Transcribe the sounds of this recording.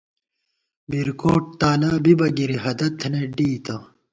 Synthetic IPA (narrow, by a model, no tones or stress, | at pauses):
biɾkoːʈ̚t̪aːlaːbibɐɡiɾiɦɐd̪ɐt̪ʰːneɖiːt̪ɐ